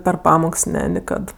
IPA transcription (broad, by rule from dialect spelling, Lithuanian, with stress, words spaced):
pʲɛr ˈpɑːmoːks ˈnʲɛ nʲɪˈkɐt